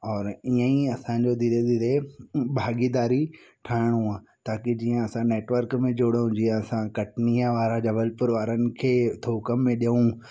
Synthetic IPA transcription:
ɔːɾiːə̃ĩɐsãːɲd͡ʑod̪iɾed̪iɾebʱaːɡid̪aːɾi | ʈʰaːɪɽ̃ũaːt̪aːkid͡ʑiːə̃ɐsãneːʈʋəɾkmẽd͡ʑoːɽɦʊ̃ɲd͡ʑiə̃ɐsãkɐʈnijə̃ʋaːɾãd͡ʑɐbəlpʊɾʋaːɾənɪ̆kʰeːt̪ʰoːkəmːẽɗiəũ

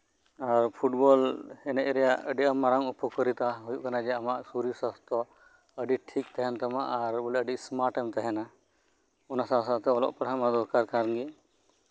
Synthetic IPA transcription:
aɾpʰuʈbɔlhɛnɛʔɾɛjaʔəɖiʔamaɾaŋupɔkəɾit̪aɦujuʔkanad͡ʒɛamaʔsuɾisast̪ɔ | əɖiʈʰikt̪ɛɦɛnt̪ama̰ʔːɾbɔlɛəɖismaɾʈɛmt̪aɦɛna | ɔnasãsat̪ɛɔlɔ̰ʔpɛɽɦamad̪ɔɾkaɾkaɾnɡi

